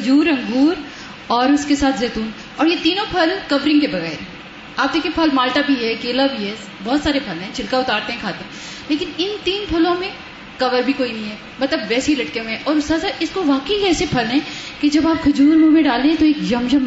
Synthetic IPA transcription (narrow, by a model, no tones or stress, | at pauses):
ɐd͡ʒuːɾɐ̃ŋɡuːɾ | ɔːɾʊskesaːt̪ʰzɛːt̪uːn | ɔːɾjet̪iːnõpʰɐlkɐʋɾɪ̃ŋɡkebɐɣɛ̰ːɾɛ̃ | aːp̚d̪eːkʰĩẽpʰɐlmaːlʈabʱiɦɛkeːlabʱiɦɛ | bɔːt̪saːɾepʰɐlɦɛ̃t͡ʃʰɪɽkaʊt̪aːɾt̪eɦɛ̃kʰaːt̪e | leːkɪnɪnt̪iːnpʰɐlõmẽ | kɐʋəɾbʱikoːinɐɦĩɦɛː | mɐt̪ləbʋɛːseɦilɐʈkẽmẽʔɔːɾʊsasaʔɪskoʋaːkeiɛːsepʰɐlɦɛ̃ked͡ʒɐbaːp̚kʰɐd͡ʒuːɾmuɾmẽɖaːlẽɦɛ̃t̪oeːkd͡ʒɐmd͡ʒɐm